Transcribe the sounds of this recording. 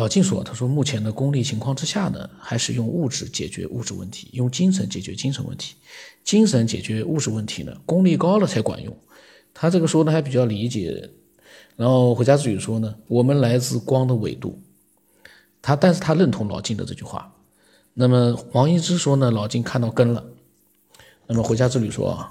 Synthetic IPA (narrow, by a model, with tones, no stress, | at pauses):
lɑ˨˩ʊt͡ɕi˥˩nʂwɔ̰˨˩t̪ʰa˥ʂwɔ˥mu˥˩t͡ɕʰjɛ˧˥nd̪ə˧kʊ˥ŋli˥˩t͡ɕʰi˧˥ŋkʰwɑ˥˧ŋʈ͡ʂɻ̩˥ɕja˥˩nə̰˩xa˧˥ɪʂɻ̩˥˧jʊ˥˧ŋu˥˧˩ʈ͡ʂɻ̩˥˩t͡ɕjɛ̰˨˩t͡ɕɥɛ̰˧˥ʔṵ˥˧ʈ͡ʂɻ̩˥˧wə̰˥˩nt̪ʰi̥˧˥ḭ˥n˥wɪt͡ɕi˥ŋʂə˧˥nt͡ɕjɛ˨˩t͡ɕɥɛ˧˥t͡ɕi˥ŋʂʰə̰˧˥nwə̰˥˩nt̪ʰi̥˧˥t͡ɕi˥nʂə˧˥nt͡ɕjɛ̰˨˩t͡ɕɥɛ˧˥u˥˧ʈ͡ʂɻ̩˥˧wə˥˩nt̪ʰḭ˧˥nə̰˧kʊ˥ŋli˥˩kɑ˥ʊlə˨t͡sʰa˧˥ɪkwa̰˨˩njʊ̰˥˩ŋ | t̪ʰa˥ʈ͡ʂɤ˥˩ɡə˩ʂwɔ˥d̪ə˨˩xa˧˥ɪp̬i˨˩t͡ɕjɑ˥˩ʊli˧˥t͡ɕjɛ̰˨˩˦ | ɻa˧˥nxo˥˧ʊxwe˧˥t͡ɕa˥t͡sɹ̩˥˩ly˨˩ʂwɔ˥nə˨wɔ˨˩mə˦nla˧˥ɪt͡sɹ̩˥˩kwɑ˥ŋd̪ə˨wḛ˨˩ɪt̪ṵ˥˩ | t̪ʰa˥t̪a˥˧nʂɻ̩˥˩t̪ʰa˥lə˥˩nt̪ʰʊ˧˥ŋlɑ˨˩ʊt͡ɕi˥˩nd̪ə̰˩ʈ͡ʂɤ˥˧t͡ɕy̰˥˧xwa̰˥˩ | na˥˩mə˩xwɑ˧˥ŋi˥˧ʈ͡ʂɻ̩˥ʂwɔ˥nə˨lɑ˨˩ʊt͡ɕi˥˧nkʰa˥˧nt̪ɑ˥˩ʊkə˥nlə̰˨ | na˥˩mə˩xwe˧˥ɪt͡ɕja˥t͡sɹ̩˥˩ly˨˩ʂwɔ̰˥ɐ̰˨˩